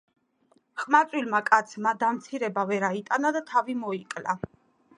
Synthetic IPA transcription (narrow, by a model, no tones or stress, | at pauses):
χmat̪sʼwilmakʼat̪sʰmad̪amt̪sʰiɾɛbavɛɾait̪ʼanad̪at̪ʰavimɔikʼla